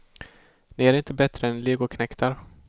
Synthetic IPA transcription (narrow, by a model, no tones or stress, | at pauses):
nɪæɾɪnt̪əbɛt̪ɾəɛnleːɡʊkʰnɛkt̪ʰaɾ